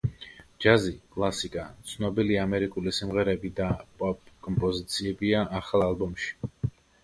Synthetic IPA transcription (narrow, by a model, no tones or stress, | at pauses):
d͡ʒazikʼlˠasikʼat̪sʰnɔbiliamɛɾikʼulisimʁɛɾɛbid̪apʼɔpʼkʼɔmpʼɔzit̪sʰiɛbiaʔːχalˠalˠbɔmʃi̥